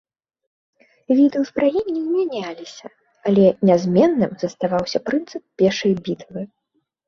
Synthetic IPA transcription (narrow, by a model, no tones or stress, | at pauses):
vʲid̪ɛwzbɾajɛnʲːiwmʲanʲalʲisʲɐ | alʲɛnʲɛzʲmʲɛnːɨmz̥ɐst̪avawsʲɐpɾɨnt̪sɨp̚pʲɛrʂɐjbʲit̪vɨ